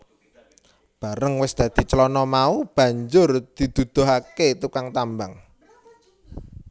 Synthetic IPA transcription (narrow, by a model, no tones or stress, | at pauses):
b̥a̤ɾəŋwɪsd̪̥ä̤d̪̥i̤t͡ʃəlɔnɔmaub̥ä̤ɲd͡ʒʊrd̪̥i̤d̪̥ṳd̪̥o̤ɦaket̪ukaŋt̪ambaŋ